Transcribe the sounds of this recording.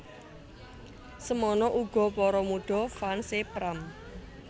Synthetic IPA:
səmɔnɔʔuɡ̥ɔ̤pɔɾɔmuɖ̥ɔ̤fansepɾam

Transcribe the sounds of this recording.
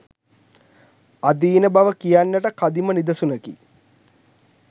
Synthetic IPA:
ad̪iːnəbaʋəkijanːəʈəkad̪imənid̪ɐsunəkḭ

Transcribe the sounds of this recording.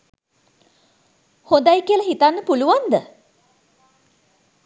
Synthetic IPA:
hond̪ajkiəlaɦit̪anːəpuluʋand̪ə

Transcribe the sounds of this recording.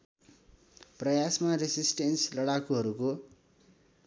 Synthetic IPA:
prʌjasmaresisʈenslʌɽakuɦʌɾuko

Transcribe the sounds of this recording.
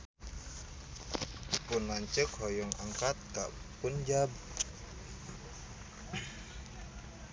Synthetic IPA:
pʊnmaɲt͡ʃəkhɔjɔŋa̰ŋkat̪̚ka̰ʔpʊnd͡ʒab̚

